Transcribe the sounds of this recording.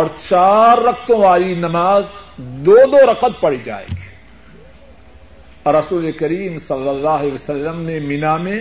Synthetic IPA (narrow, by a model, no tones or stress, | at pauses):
ɔːɾt͡ʃaːɾːɐq̚t̪õʋaːlinɐmaːzd̪oːd̪oɾɐqət̪̚pɐɽid͡ʒa̰ːḛːɡi | ɾɐsuːlekɐɾiːmsɐlːəlːaːɦesɐlːəmnemɪnamẽ